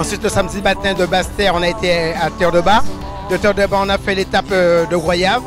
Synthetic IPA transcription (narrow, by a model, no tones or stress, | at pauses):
ɑ̃sɥit̪ləsamd̪imat̪ɛ̃d̪əbast̪ɛʁɔ̃naet̪eat̪œʁd̪əba | d̪ət̪ɛʁd̪əbaɔ̃nafɛlet̪apd̪əɡʁwajav